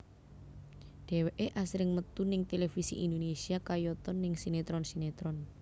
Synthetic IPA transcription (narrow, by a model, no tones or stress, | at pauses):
ɖ̪̥ɛ̤weʔeʔasɾɪŋmət̪unɪŋt̪elefisḭʔind̪onesiakajɔt̪ɔnːɪŋsinet̪ɾɔnsinet̪ɾɔn